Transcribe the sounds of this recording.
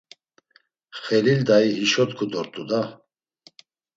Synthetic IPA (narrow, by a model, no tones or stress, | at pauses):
χɛlild̪aiɦiʃɔt̪kʰud̪ɔɾt̪ʼud̪a